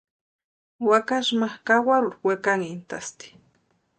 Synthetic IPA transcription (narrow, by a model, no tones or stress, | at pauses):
wakaʃmakawaɾuɾwekaŋint̪ast̪i̥